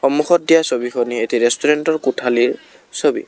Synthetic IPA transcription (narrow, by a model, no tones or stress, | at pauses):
xɔmːuxɔt̚dijasobixʰɔnietiɹɛstuɹɛntɔɹkutʰaliɹ | sobḭ